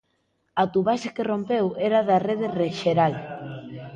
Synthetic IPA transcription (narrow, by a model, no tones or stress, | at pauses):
ɐt̪uβaʃakerompeweɾaðɐreðereʃeɾal